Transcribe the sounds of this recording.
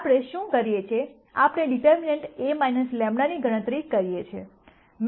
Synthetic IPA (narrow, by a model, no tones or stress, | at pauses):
pɽeʃũkəɾjet͡ʃʰe | apɳeɖiʈəɾmineɳʈemajnəslɛmɳaniɡʱəɽ̃ə̃t̪ɾikəɾijet͡ʃʰe | m